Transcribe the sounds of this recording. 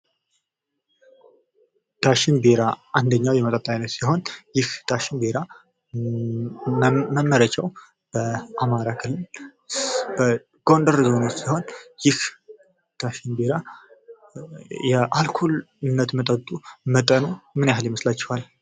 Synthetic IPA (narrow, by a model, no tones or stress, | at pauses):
d̪̥aʃɪnbeɾaʔand̪əɲːawjɛmət̪ʼət̪ʼːanːət̪siɦo̞njɪhd̪̥aʃɪnbeɾa | məmːəɾət͡ʃʰːɛw | b̥əʔamaɾakʰɨlːɨl | bə | ɡ̥o̞nd̪əɾzonot͡ʃ̪siho̞njɪh | d̪̥aʃɪnbeɾa | jɛʔalkʰol | ɨnːət̪mət̪ʼət̪ʼumət̪ʼənumɨnjaɦɨljɛməslat͡ʃːɛhwal